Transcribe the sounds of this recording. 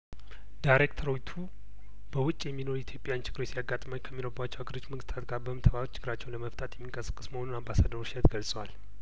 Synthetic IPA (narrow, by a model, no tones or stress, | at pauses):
dajɾekt̪ʰəɾojt̪ʰu | b̥əwʊt͡ʃʼːjɛmːino̞ɾujɛt̪jo̞pʼjant͡ʃʰɪɡɨɾosijaɡːat̪ʼmaɲkʰəmːinoɾbat͡ʃːɛwaɡəɾo̞t͡ʃːməŋɡɨst̪ʰat̪ɡaɾbəmt̪ʰəβat͡ʃʰːɪɡɨɾat͡ʃːɛwnləməft̪ʼat̪jɛmːiŋkʼəsɨ̥kʼːɨsməho̞nunambasad̪əɾʃət̪ɡəlsʼəwal